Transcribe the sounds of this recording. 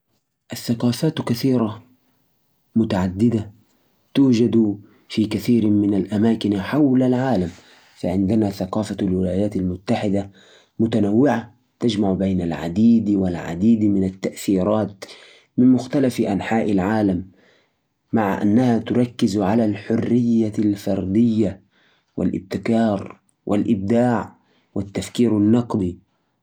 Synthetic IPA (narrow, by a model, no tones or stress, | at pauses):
ʔaθːaqɑːfaːt̪kaθiːɾˤa | mʊt̪aʕad̪ːɪd̪a | t̪uːd͡ʒad̪ | fiːkaθiːɾmɪnalʔamaːkɪnħawlalʕaːlam | faʕɪnd̪ɪnaθaqɑːfalwɪlaːjaːt̪almʊt̪ːaħɪd̪a | mʊt̪anawːɪʕa | t̪ad͡ʒmaʕbajnalʕa̰d̪iːd̪walʕa̰d̪iːd̪mɪnat̪ːaʔθiːɾˤɑːt̪ | mɪnmʊxt̪alafʔanħaːʔalʕaːlamː | aʕaʔa̰nːahat̪ʊɾˤɑkːɪzʕalalħʊrːɪjːalfɑɾˤd̪ɪjːa | wɪ̰lʔɪ̰b̚t̪ɪkɑːɾˤ | wʔa̰lʔɪb̚d̪aːʕ | wɪt̪ːafkiːɾanːɑqd̪ˤi